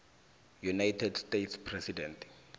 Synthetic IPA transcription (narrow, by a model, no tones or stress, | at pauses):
junajtʰɛdstetʰspʰrɛsidɛntʰ